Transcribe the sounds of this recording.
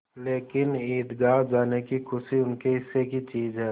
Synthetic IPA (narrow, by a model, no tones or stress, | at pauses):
leːkɪniːd̪ɡaːɾd͡ʒaːnekikʰʊʃiʊnkeɦɪsːekit͡ʃiːzɦɛː